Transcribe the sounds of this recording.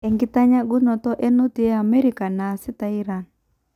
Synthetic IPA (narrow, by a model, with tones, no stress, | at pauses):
ɛ˨ŋɡi˦ta˦ɲa˦ɡu˦nɔ˨tɔ˦ʔɛ˦no˦ti˨˦ɛ˦a˨mɛ˦ɾi˦ka˨naː˨si˦ta˨i˦ɾa˨n